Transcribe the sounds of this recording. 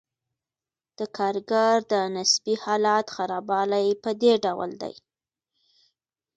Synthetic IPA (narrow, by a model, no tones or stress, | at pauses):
d̪̥əkʰɑɾɡaɾd̪ənasbihɑlɑt̪xaɾɑbɑlajpəd̪eɖawə̰ld̪a̰j